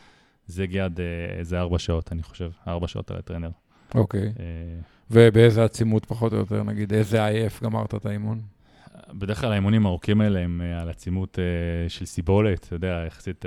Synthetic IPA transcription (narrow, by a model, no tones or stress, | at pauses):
zeɡjad̪ezeaʁbaʃao̞taniχo̞̥ʃe̞vaʁbaʃa̰o̞̰ta̰la̰t̪ʁeneʁ | okeje | vebeezeat͡simut̪paχo̞t̪ojot̪e̞̰ʁnaɡid̪ezeajefɡama̰ʁt̪aet̪aimun | bed̪e̞χklalhaimunimaʁukimaeleemalat͡simuteʃelsibo̞letjodeaeχḁsit